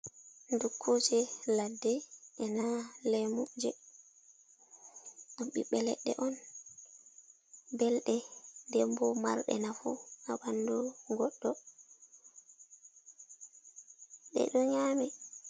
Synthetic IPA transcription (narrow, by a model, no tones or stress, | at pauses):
ndukʰːud͡ʒɛladːɛɛnalɛmud͡ʒɛ | ɗɔmɓiɓɛlɛɗːɛ̰ʔɔn | bɛlɗɛdɛmbɔmaɾɗɛ̰nafṵaɓandɔɡɔɗːɔ | ɗɛ̰ɗɔɲaːmɛ